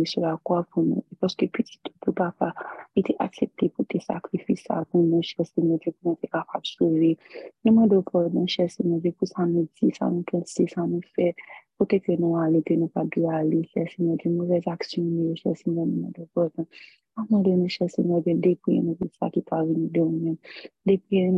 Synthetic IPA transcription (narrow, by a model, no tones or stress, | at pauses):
esolakwapunṵ̃paskøpiti̥t̪ʰupupapaiteʔaksep̚tʰeputesa̰kɾifisa̰punũʃɛsimɔ̃tepunũtekapabsolejẽmɔ̃dɔpʰɔdnɔ̃ʃɛsimɔ̃vepusanũd͡zisa̰nũpʰɛ̃sesanũfɛkotekenũalekenũpadealeʃɛsimɔ̃dimovɛzaksjɔ̃nũjoʃɛ̰lsimɔ̃nĩmɔ̃dopɔdɔ̃ | amɔ̃denũʃɛsimɔ̃dɛ̃depiḛnɔ̃visa̰kipavinĩdõmɛ̃mdepi